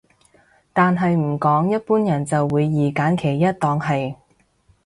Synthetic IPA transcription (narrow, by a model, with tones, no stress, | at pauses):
t̪aː˨nɦɐ˨jm̩˨˩kɔː˨˥ŋjɐ˥t̚puː˥njɐ˨˩nt͡sɐ˨wːuː˨˧jːiː˨kaː˨˥nkʰe˨˩jːɐ˥t̚t̪ɔː˧ŋɦɐ˨j